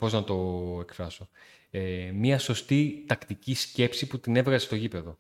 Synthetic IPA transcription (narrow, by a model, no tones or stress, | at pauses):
po̞znɐt̪o̞e̞kfɾɐso̞ | emiɐso̞st̪it̪ɐkt̪icisce̞psiput̪ine̞vɣɐzest̪o̞ʝipe̞ðo̞